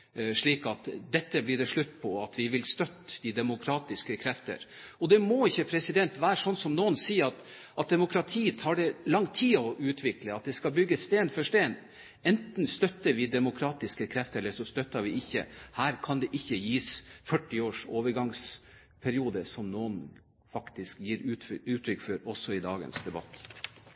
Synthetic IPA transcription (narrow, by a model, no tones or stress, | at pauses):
ʂɭiːkɑt̪d̪ɛt̪ːəblɪɖɛʂɭʉt̪ːpʰɔɑt̪ʋɪʋɪlst̪œt̪ːd̪ɪd̪ɛmʊkʰɾɑːt̪ɪskəkʰɾɛft̪ə̰ɾ | ɔd̪ɛmɔɪçːəpʰɾɛsɪd̪ɛnt̪ʋæːɾəʂɔnsɔmnuːənsiːəɾɑt̪ | ʔɑt̪̚d̪ɛmʊkʰɾɑt̪ʰiːət̪ʰɑːɖɛlɑŋːt̪ʰiːɔʔʉːt̪ʰʋɪkləɑt̪̚d̪ɛskɑlbʏɡːəst̪eːnfɔʂt̪eːn | ɛnt̪n̩st̪œt̪ːəɾʋɪd̪ɛmʊkʰɾɑːt̪ɪskəkʰɾɛft̪əɾɛləʂɔst̪œt̪ːɑɾʋɪɪçːə̰hæːɾkʰɑnd̪ɛʔɪçːəjiːsfœʈːɪoːʂoːʋəɾɡɑŋs | pʰæɾɪuːd̪əsɔmnoːən | fɑkt̪ɪskjiːɾʉːʉːt̪ʰɾʏkfɔɾɔsɔɪd̪ɑːɡə̰nsd̪ɛbɑ̰t̪ː